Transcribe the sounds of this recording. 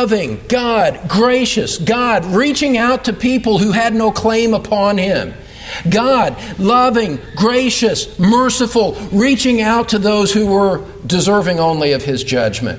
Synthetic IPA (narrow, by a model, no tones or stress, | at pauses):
vɪ̃ŋɡ̥ɑd̚ɡɹeɪʃɨsɡ̥ɑd̚ɹit͡ʃɪ̃ŋaʊtʰɨpʰipl̩ˠhuɨdⁿnoʊkʰl̥ẽɪ̃məpʰɑ̃nɪ̃m | ɡɑd̚lʌvɪ̃ŋɡɹeɪʃɨsmɜ˞sɨfl̩ˠɹit͡ʃɪ̃ŋaʊtʰɨðoʊz̥huwə˞ | dɨzɜ˞vɪ̃ŋõʊ̃nliʌv̥ɪzd͡ʒʌd͡ʒmɨ̰̃nt